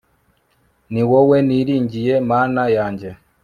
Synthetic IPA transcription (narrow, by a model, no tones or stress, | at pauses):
niwɔweniɾiːɲɟijɛmaːnajaɲɟe